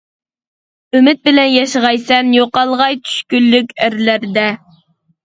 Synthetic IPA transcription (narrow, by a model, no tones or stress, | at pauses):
ymɪt̪̚bɪlɛnjɑʃəʁɑjsɛnjoqɑlˠʁɑjt͡ʃʰy̥ʃkʲylːykʲæɾlæɾd̪ɛ